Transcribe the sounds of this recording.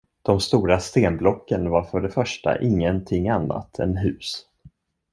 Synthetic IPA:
d̪̥ɔmst̪uːɾast̪eːnblɔkːənvaɾfœɖɛfœʂʈa̰ʔɪŋːənt̪ʰɪŋːanːa̰t̪ʰɛ̰nɦʉ̟ːs

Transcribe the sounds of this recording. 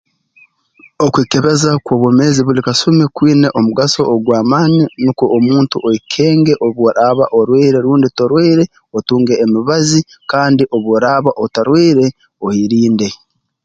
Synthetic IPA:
okwiːke̞βe̞zakwoːβwome̞ːziβulikasumekwiːneʔomuɡaso̞ːɡwaːmaːninukoʔːmuːntuʔoikʰeːŋɡe̞ʔo̞βwoɾaβa̰ʔoɾwiːɾe̞ɾuːnditoɾwiːɾe̞ | otuːŋɡe̞ːmiβazi | kaːndiʔo̞βwoɾaːβaʔotaɾwiːɾe̞ | ohiɾiːnde̞

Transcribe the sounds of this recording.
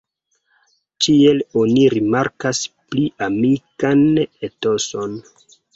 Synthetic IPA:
tie̞loniɾimaɾkaspliʔamikaneto̞so̞n

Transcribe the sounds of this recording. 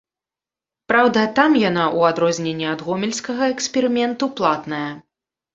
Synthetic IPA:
pɾawd̪ɐt̪amjanaʔuad̪ɾɔzʲnʲɛnʲːɛɐd̪ɣɔmʲɛlʲsʲkɐɣɐɛksʲpʲɛɾɨmʲɛnt̪uplˠat̪nɐjɐ

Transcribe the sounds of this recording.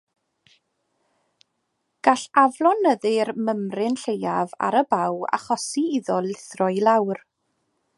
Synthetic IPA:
ɡ̥aɬavlˠɔnəðɨrməmrɪnɬejava̰ɾəbawa̰χɔsiiðɔlˠɪθrɔɨlˠawr

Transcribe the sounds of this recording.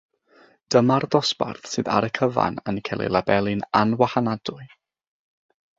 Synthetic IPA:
d̥əmarðɔsb̥a̰rθsɨːða̰ɾəkʰəva̰nənkʰɛlˠḭlˠabɛlˠɨnanwahanad̥ʊɨ

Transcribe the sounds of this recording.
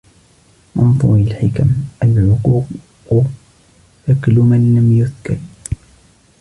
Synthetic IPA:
mɑnt̪ˤɑialħɪkamʔalʕʊquːq | ʊ | ʔɪklʊmanlamjʊθkɑ̰ɾ

